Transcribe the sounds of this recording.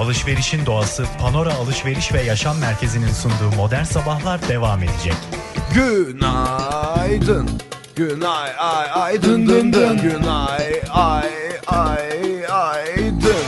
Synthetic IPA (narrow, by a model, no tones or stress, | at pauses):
alˠɯʃve̞ɾiʃind̪o̞asɯpʰano̞ɾaːlˠɯʃve̞ɾiʃvɛjaʃamːæɾcʰe̞zininsund̪uːmo̞d̪æɾnsabaxlˠaɾd̪e̞vaːme̞d̪ed͡ʒɛc | ɟyna | jd̪ɯn | ɟ̥ynajajajd̪ɯnd̪ɯnd̪ɯnynajajajajd̪ɯn